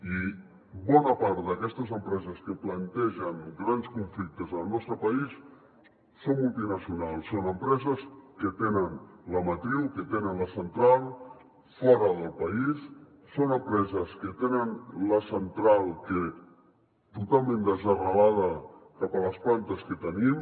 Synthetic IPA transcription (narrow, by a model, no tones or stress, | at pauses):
i | bɔnəpaɾt̪d̪əkɛst̪əzəmpɾɛzəskəplənt̪ɛʒəŋɡɾanskuɱflik̚t̪əzəlˠnɔst̪ɾəpəis | somːulˠt̪inəsiunalˠsːonəmpɾɛzəskət̪enənləmət̪ɾilkət̪enənləsənt̪ɾalˠ | fɔɾəðəlˠpəis | sonəmpɾɛzəskət̪enənləsənt̪ɾalˠkə | t̪ut̪alˠmẽnd̪əzəɣəlaðəkapələsplant̪əskət̪ənim